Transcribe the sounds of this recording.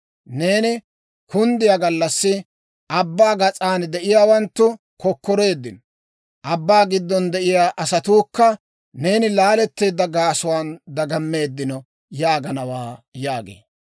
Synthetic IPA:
ne̞ːnɪ | kʊnd̪ɪjaɡɐlːɐsːɪ | ʔɐbːaːɡɐt͡sʼaːnd̪ɛʔɪjaːwɐnt̪ːʊ | kɔkːɔɾe̞ːd̪ːɪn | ʔɐbːaːɡɪd̪ːɔnd̪ɛʔɪjaːʔɐsɐt̪uːkːɐ | ne̞ːnɪlaːlɛt̪ːeːd̪ːɐɡaːsʊwaːnd̪ɐɡɐmːe̞ːd̪ːɪnɔ | jaːɡɐnɐwaːjaːɡḛː

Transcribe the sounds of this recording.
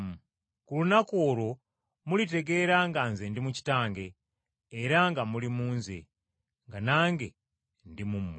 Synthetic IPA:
m | kulunakoːɾo̞ | mulite̞ɡe̞ɾaŋɡanzendimuci̥taːŋɡe̞ː | ɾaŋɡamulimuːnzḛ | ŋɡanaːŋɡe̞ | ndimum

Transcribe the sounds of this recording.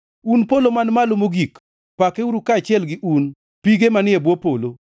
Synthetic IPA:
unpolomanmalomoɡik | pakeuɾukaːt͡ʃɪɛlɡɪʔun | piɡemanɪɛbwopolo

